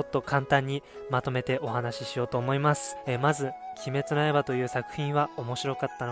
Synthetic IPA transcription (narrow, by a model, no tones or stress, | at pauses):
o̞t̪ːo̞kʰãnt̪ãɲ̟ːimat̪o̞me̞t̪e̞ʔo̞ɦanaɕiɕijo̞ːt̪o̞ːmo̞imasɨ̥mazɨkʲime̞t͡sɨnae̞bat̪o̞jɯ̟ːsakɯ̟̥çĩβao̞mo̞ɕiɾo̞kat̪ːan